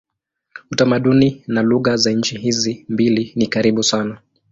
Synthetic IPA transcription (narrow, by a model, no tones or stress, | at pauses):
utamaɗuninaluɣazaɲ̩t͡ʃiɦizimbilinikaɾiɓusana